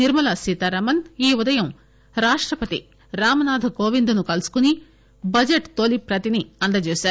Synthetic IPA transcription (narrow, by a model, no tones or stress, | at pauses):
niɾmɐlɐsit̪ɐɾɐmɐniːud̪ɐjɐm | ɾaːʂʈɾɐpɐt̪ḭ | ɾaːmɐnaːd̪ʱɐkoːʋind̪unukɐlusu̥kuni | bɐd͡ʒeʈt̪olipɾɐt̪iniɐnd̪ɐt͡ʃuːʃaːɾu